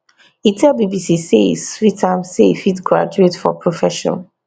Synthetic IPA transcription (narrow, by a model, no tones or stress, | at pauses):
itʰɛlbibisisesɹitʰãɪmsefitɡɹa̰d͡ʒuetfɔ̰pʰɹofɛʃɔ̰̃n